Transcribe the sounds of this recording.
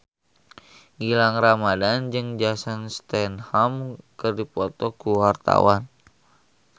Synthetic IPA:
ɡilaŋramadand͡ʒɨŋd͡ʒasanst̪ɛnhamkərdipɔt̪ɔkuwart̪a̰wan

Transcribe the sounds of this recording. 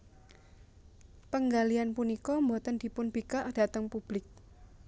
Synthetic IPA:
pəŋɡalianpunikɔmbɔt̪ənd̪̥i̤pʊnb̥ikaʔd̥at̪əŋpub̥lɪk̚

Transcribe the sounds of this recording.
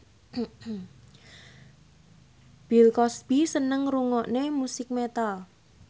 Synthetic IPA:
b̥ilkɔsb̥isənəŋruŋɔʔnemusɪk̚met̪al

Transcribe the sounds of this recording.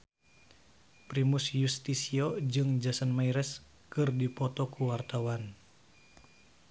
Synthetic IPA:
pɾimusjust̪isiod͡ʒɨŋd͡ʒasanmaiɾɛs | kɨrdipɔt̪ɔkuwart̪awan

